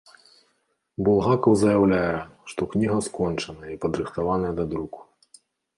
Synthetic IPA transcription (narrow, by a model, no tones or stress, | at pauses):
bulˠɦakɐwzɐjawlʲajɛʂt̪ɔknʲiɦɐskɔnt͡ʂɐnɐjipɐd̪ɾɨxt̪avanɐjɐd̪ad̪ɾuku̥